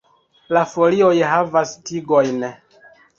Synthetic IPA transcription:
lafo̞lio̞jɦavastiɡo̞jn

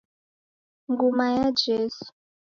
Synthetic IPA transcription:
ŋɡumajad͡ʒɛːsu̥

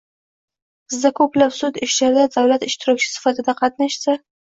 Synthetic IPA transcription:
zd̪akoplafsut̪ɪʃt̪aɾd̪ad̪awlat̪ɪʃt̪ɪɾokt͡ʃi̥sɪ̥fat̪ad̪aqat̪̚naʃt͡sa

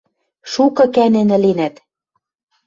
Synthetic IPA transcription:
ʃukɤ̆kænĕnɘ̆lenæt̪

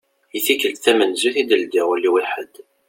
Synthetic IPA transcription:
iθikəlθæmənzuθid̪əld̪iʁʊlːiwiħəd̪

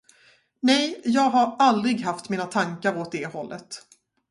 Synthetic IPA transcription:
nɛjjɑːɡɦaɾald̪ɾɪɡɦaft̪miːnat̪ʰaŋkaɾoːt̪̚d̪ɛhɔlːʔə̰t̪

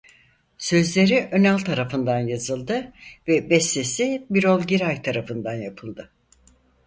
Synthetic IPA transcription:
sø̞zlʲe̞ɾiʔønalʲt̪ʰaɾafɯnd̪anjazɯlˠd̪ɯvɛbɛst̪esibiɾo̞lˠɟiɾajt̪ʰaɾafɯnd̪anjapʰɯlˠd̪ɯ

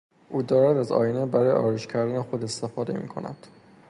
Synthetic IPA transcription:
ʔuːd̪ɒːɾæd̪æzɒ̰ːjinebæɾɒːjḛʔɒːɾeʃcʰæɾd̪ænexo̞d̪est̪e̞fɒːd̪e̞mḭːkʰo̞̰næ̰d̪̥

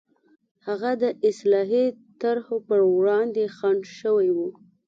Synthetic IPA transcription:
haɣad̪əʔɪslɑɦit̪aɾhopəɾwɽɑnd̪exaɳʃəwajwu

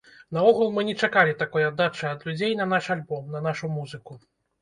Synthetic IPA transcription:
nɐɔɣulˠmɨnʲɛt͡ʂakalʲit̪akɔjad̪ːat͡ʂɐjɐd̪lʲud͡zʲejnɐnaʂalʲbɔmnɐnaʂumuzɨku

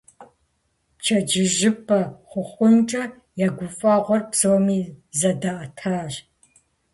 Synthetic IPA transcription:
pt͡ʃʰɐd͡ʒɪʒɪpʰʼɐχʷʊχʷʊnʈ͡ʂʼɐ | jaːɡʷʊfʼɑːʁʷɔrpz̥ɐwmiːzɐdɐʔɐtʰaːʒ

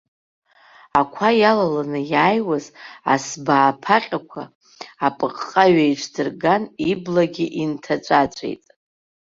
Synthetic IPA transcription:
akʷʰajalalanɨjaːjwaza̰sbaːpʰaqʲʼakʷʰa̰ | apʼɨqʼqʼaɥajʈ͡ʂʷʰdɨrɡaniblaɡʲiʔintʰat͡ʃʷʼat͡ʃʷʰʼḛjtʼ

